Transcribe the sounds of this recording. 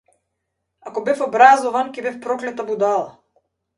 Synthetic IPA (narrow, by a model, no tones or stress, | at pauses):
akɔbɛfɔbɾazɔvankʲɛbɛfpɾɔklɛt̪abud̪alˠa